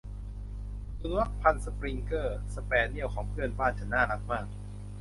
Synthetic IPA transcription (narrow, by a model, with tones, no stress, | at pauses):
tu˧˥k̚pʰa˧nsə˧pɾi˧ŋkɤː˥˩sə˧pɛː˧ni˥˩əwkʰɔː˩˦ŋpʰɯ˥˩ənbaː˥˩nt͡ɕʰa˧˩naː˥˩la˦˥k̚maː˥˩k̚